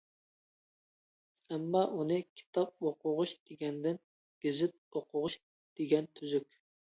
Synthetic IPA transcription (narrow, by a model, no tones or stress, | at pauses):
ɛmːɑʔunɨkʲʰi̥t̪ʰɑp̚oqʰʊʁʊʃd̪̥eɡʲɛnd̪ɪn | ɡ̥ʲizɪt̪̚oqʰʊʁʊʃ | d̪̥eɡʲɛnt̪ʰyzykʲ